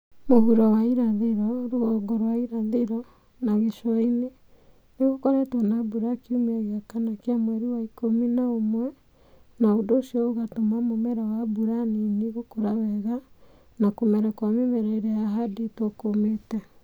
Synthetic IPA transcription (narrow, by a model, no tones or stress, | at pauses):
mohuɾɔwaiɾaðeɾɔɾoɔɡɔɾwaiɾaðeɾɔ | naɣeʃwaine | neɣokɔɾɛtwanabuɾakiumɛɣeakanakeamwɛɾiwaikominaomwɛ | naodoːsiɔoɣatomamomɛɾawabuɾaniniɣokoɾawɛɣa | nakomɛɾɛkwamemɛɾɛiɾɛjaɦadetokometɛ